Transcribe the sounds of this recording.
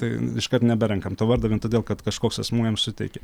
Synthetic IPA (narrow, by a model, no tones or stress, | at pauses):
t̪ɐɪɪʃkɐt̪nʲɛbʲɛɾʲɛŋkɐmt̪oːʋɐɾd̪ɐʋʲɪːnt̪oːdʲeːlˠkɐt̪kɐʃkoːksɐsmuːjɛmsʊt̪ʲɛɪkʲɛ